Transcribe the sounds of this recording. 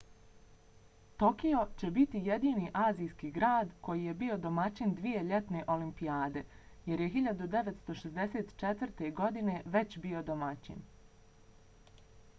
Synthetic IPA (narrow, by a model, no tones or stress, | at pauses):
t̪o̞kio̞t͡ɕe̞bit̪ije̞d̪iːniʔaːzijskiɡɾaːd̪ko̞jije̞bio̞d̪o̞mat͡ɕind̪ʋije̞ʎe̞t̪ne̞ʔo̞limpijaːd̪e̞je̞ɾje̞ɦiʎad̪ud̪e̞ʋet̪st̪o̞ʃezd̪e̞se̞ːt̪t͡ʃe̞t̪ʋrt̪e̞ɡo̞d̪ine̞ʋe̞t͡ɕbio̞d̪o̞mat͡ɕḭn